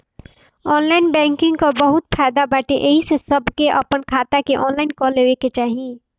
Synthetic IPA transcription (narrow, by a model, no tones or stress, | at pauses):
ɔːnlaːɪnbɛ̃ːŋkɪ̃ŋɡkobɐɦʊt̪pʰaːɪd̪abaːʈeʔeɦisesɐbkeʔɐ̰pənkʰaːt̪akeʔɔːnlaːɪnkɔleːʋeket͡ʃaːɦijẽː